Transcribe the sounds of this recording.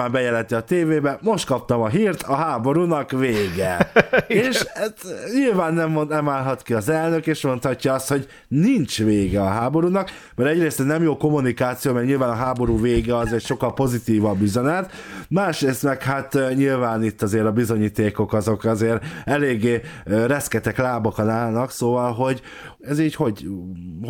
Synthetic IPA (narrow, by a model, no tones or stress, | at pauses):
aːmbɛjɛlɛnt̪iɒt̪eːveːbɛmo̞ʃt̪̚kɒp̚t̪ɒmɒɦiːrt̪ɒɦaːbo̞ɾuːnɒkveːɡɛ | eːʃɛɲilvaːnːɛmnɛmaːlɦɒt̪kiɒzɛlnø̞keːʃmo̞nt̪hɒcːɒɒst̪ho̞ɟ | nint͡ʃveːɡɛɒɦaːbo̞ɾuːnɒk | mɛɾɛɟreːst̪ɛnɛmjoːko̞munikaːt̪sijoːmɛrɲilvaːnɒɦaːbo̞ɾuːveːɡɛɒzɛcʃo̞kːɒlpo̞zit̪iːvɒbyzɛnɛt̪maːʃreːst̪mɛkhat̪ɲilvaːnit̪ːɒzeːɾɒbizo̞ɲiːt̪eːko̞kɒzo̞kɒzeːɾɛleːɡːeːrɛskɛt̪ɛklaːbɒkɒnaːlnɒksoːvɒlɦo̞ɟ | ɛziːɟho̞ɟ